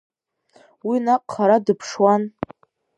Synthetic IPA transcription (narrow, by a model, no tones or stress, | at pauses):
winaqʼχaɾadɨpʰʂwan